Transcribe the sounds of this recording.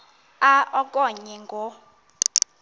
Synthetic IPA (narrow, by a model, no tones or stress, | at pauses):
aɔkʼɔɲɛŋɡʱɔ